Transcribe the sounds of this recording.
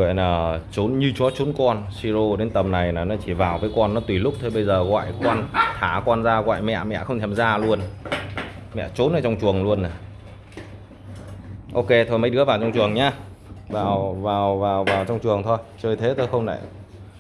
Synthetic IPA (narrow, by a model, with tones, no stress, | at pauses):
ɔ̰˧˨jnaː˨˩t͡ɕo˨˦nɲɨ˧t͡ɕɔ˨˦t͡ɕo˨˦nkɔ˧nsi˧zo˧ɗe˨˦nt̪ə˨˩mna˨˩jnaː˨˩nɔ˨˦t͡ɕi˧˩vaː˨˩wvəː˨˦jkɔ˧nːɔ˨˦t̪wi˨˩lʊ˦˥k͡p̚t̪ʰo˧jɓə˧jzəː˨˩ɣɔ̰ː˧˨jkwaː˧nh̪ʰaː˧˩kwaː˧nzaː˧ɣwa̰ː˧˨jmɛ̰˧˨mɛ̰˧˨xə˧wŋ͡mt̪ʰɛ˧˩mzaː˧lu˧ən | mɛ̰˧˨t͡ɕo˨˦nʔə˨˩t͡ɕɔ˧ŋ͡mt͡ɕu˨˩əŋlu˧ənːa˨˩ | ʔo˧ke˧t̪ʰo˧˩jmə˧˦jɗɨ˨˦˥vaː˨˩wt͡ɕɔ˧wŋ͡mt͡ɕɨ˨˩əŋɲaː˧ | vaː˨˩wvaː˨˩wvaː˨˩wvaː˨˩wt͡ɕɔ˧wŋ͡mt͡ɕɨ˨˩əŋt̪ʰo˧jt͡ɕəː˧˩jt̪ʰe˨˦t̪oː˧˩jxə˧wŋ͡mna̰˧˩j